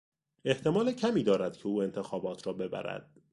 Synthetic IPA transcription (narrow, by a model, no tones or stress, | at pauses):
e̞ht̪ʰe̞mɒːlecʰæmiːd̪ɒːɾæd̪̥cʰeuːe̞nt̪ʰe̞xɒːbɒːt̪ʰɾɒːbe̞bæ̰ɾæ̰d̪̥̚